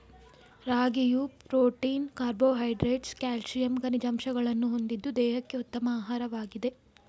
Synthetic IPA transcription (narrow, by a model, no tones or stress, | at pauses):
ɾaːɡijupɾoːʈiːnkaːɾboːɦɐjɖɾeːʈskaːlsijɐmɡɐnid͡ʒɐmʃɐɡɐɭɐnːuɦo̞nd̪id̪ːud̪ɛːɦɐkːe̞ut̪ːɐmɐaːɦaːɾɐʋaːɡid̪e̞